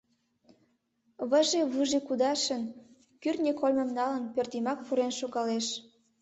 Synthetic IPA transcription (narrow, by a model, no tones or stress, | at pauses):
βə̆ʒeβɯʒekud̪ɑʃə̆n | kyrnʲekolʲmə̆mnɑlə̆npørt̪imɑk̚puɾenʃoɣɑleʃ